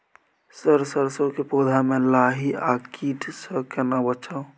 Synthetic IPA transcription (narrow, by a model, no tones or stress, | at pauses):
səɾsəɾsokepod̪ʱamẽlaɦiakiʈsəkenabət͡ʃʰao